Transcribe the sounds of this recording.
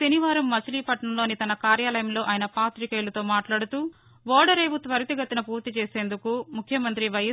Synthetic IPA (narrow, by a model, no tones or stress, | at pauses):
sɐniʋaːɾɐmːɐt͡ʃɐliːpɐʈɳɐmlo̞ːnit̪ɐnɐkaːɾjaːlɐjɐmlo̞ːʔɐːjinɐpaːt̪ɾikeːlɐt̪o̞ːmaːʈlaːɽut̪uː | ʋɔːɽɐɾeːʋut̪ʋɐɾɐt̪iɡɐt̪inɐpuːɾt̪it͡ʃeːse̞ːnd̪ukumukʰjɐmɐnt̪ɾiʋɐjɐ